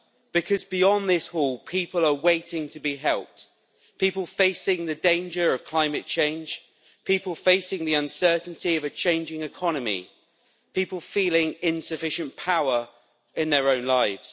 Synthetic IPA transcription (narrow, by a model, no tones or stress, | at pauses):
b̥ɪkʰɒzbɪɒ̃nðɪshɔːlˠpʰiˑpələweɪtʰɪ̃ŋtʰəbiɦɛlˠp̚t | pʰiˑpəlˠfeɪsɪ̃ŋðədẽɪ̃nd͡ʒəɹəv̥kʰl̥aɪ̃mətt͡ʃʰẽɪ̃nʒ̥ | pʰiˑpəlˠfeɪsɪ̃ŋðiʌ̃nsɜˑʔn̩tʰiəvət͡ʃʰẽɪ̃nd͡ʒɪ̃ŋɪkʰɒnəmḭ | pʰiˑpəlˠfiːlɪ̃ŋɪ̃nsəfɪʃə̃npʰaʊəɹ | ɪ̃nðəɹə̃ʊ̃nlaɪvz̥